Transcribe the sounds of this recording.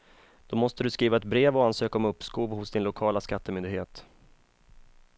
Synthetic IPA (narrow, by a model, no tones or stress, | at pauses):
d̪̥ɔmɔst̪əd̪ɵskɾiːvaɛt̪bɾeːvɔansøːkaɔmɵpːskuːvhʊsd̪ɪnlʊkʰɑːlaskat̪ːəmʏnd̪ɪɡheːt̪